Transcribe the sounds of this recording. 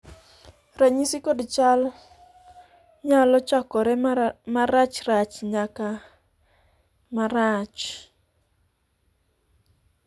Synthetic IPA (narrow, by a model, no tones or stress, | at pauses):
raɲisikodt͡ʃal | ɲalɔt͡ʃakɔɾɛmaɾat͡ʃrat͡ʃɲaka | maɾat͡ʃ